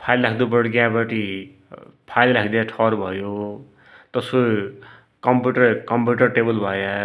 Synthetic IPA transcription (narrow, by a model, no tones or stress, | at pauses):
pʰajllakʰd̪ubʌɽɡjãbʌʈi | pʰajllakʰd̪ijaʈʰʌɾbʱʌjo | t̪ʌso | kʌmpjuʈʌɾkʌmpjuʈʌrʈebʌlbʱʌja